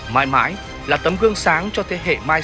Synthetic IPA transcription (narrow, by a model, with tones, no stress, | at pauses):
maː˨˦jma̰ː˨˦j | laː˨˩t̪ə˨˦mɣɨ˧əŋsaː˨˦ŋt͡ɕɔ˧t̪ʰe˨˦ɦḛ˧˨maː˧j